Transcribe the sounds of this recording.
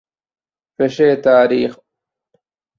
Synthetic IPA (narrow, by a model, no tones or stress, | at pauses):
peɕeːt̪aːɾiːx